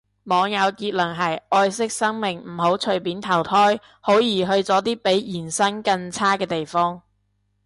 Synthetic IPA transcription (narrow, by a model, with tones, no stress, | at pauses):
mɔː˨˧ŋjɐ˨˧wkiː˧t̚lɐ˨˩ŋɦɐ˨jʔɔː˧jsɪ˥k̚sɐ˥ŋmɪ˨˩ŋm̩˨˩ɦo˨˥wt͡ʃʰɵ˨˧ɥpiː˨˥nt̪ʰɐ˨˩wt̪ʰɔː˥j | ho˨˥wjiː˨˩ɦɵ˧ɥt͡sɔː˨˥t̪̬iː˥pe˨˥jjiː˨˩nsɐ˥ŋkɐ˧ŋt͡sʰaː˥kɛː˧t̪e˨jfɔː˥ŋ